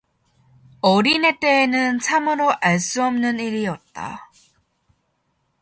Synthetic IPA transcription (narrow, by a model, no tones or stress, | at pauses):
ʌɾine̞t͈e̞ːnɯnt͡ɕʰamɯɾoʔaɭs͈uʌmnɯniɾiʌt̚t͈a̰